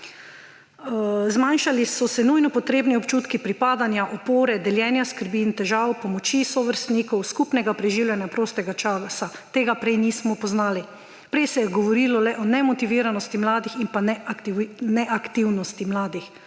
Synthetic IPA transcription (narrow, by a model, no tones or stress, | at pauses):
zmanʃalisɔsɛnujnɔpɔt̪ɾeːbniɔpt͡ʃuːt̪kipɾipaːd̪anjaʔɔpoːɾɛd̪ɛljɛnjaskəɾbint̪ɛʒaːwpɔmɔt͡ʃisɔʋəɾst̪niːkɔwskupnɛɡapɾɛʒiːwlʲjɛnjapɾoːst̪ɛɡat͡ʃaːsat̪eːɡapɾɛjnismɔpɔznaːli | pɾɛjsɛjɛɡɔʋɔɾilɔlɛʔɔnɛmɔt̪iʋiːɾanɔst̪imlaːd̪iximpan | nɛʔakt̪iwnɔst̪imlaːd̪ix